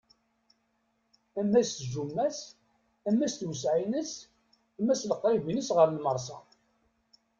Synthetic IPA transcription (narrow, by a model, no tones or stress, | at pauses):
æmːæst̪ʒumːæs | æmːæst̪wsʕinəs | æmːæsləqːɾivinəsʁəɾlməɾˤsɑ